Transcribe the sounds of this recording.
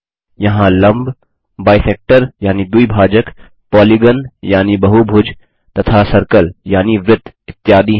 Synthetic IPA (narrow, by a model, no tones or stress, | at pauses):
jɐɦãlə̃mb | baːjseːk̚ʈəɾjaːnid̪uibʱaːd͡ʒək | pɔːliɡənjaːnibɐɦubʱʊd͡ʒ | t̪ɐt̪ʰasəɾkəljaːniʋɾɪd̪ | ɪt̪ːjaːd̪i